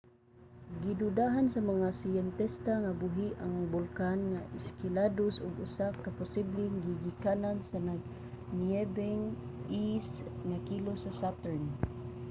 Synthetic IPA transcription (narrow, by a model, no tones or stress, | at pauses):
ɡid̪ud̪aɦansamaŋasijɛnt̪ɛst̪aŋabuɦiʔaŋbʊlkanŋaʔɪskɪladosʊ̰ɡʊsakapʊsiblɪŋɡiɡikanansanaɡ | niɛbɛŋisŋakilosasat̪ɛɹn